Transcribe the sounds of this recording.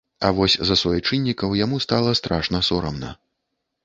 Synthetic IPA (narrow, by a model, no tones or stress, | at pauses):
ɐ̰vɔsʲzɐsvɔjit͡ʂɨnʲːikɐwjamust̪alˠɐst̪ɾaʂnɐsɔɾɐmnɐ̰